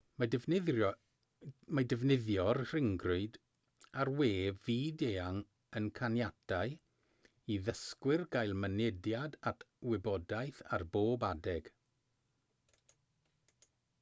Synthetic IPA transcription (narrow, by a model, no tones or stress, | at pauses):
madəvnɪðjɔrr̥ɪŋɡrʊɨd | arweːviːdeːaŋ | ənkʰanjadaɨ | iðəskwɪrɡajlˠmənɛdjadatʰ | wɪbɔdajθa̰rboːbadɛɡ̥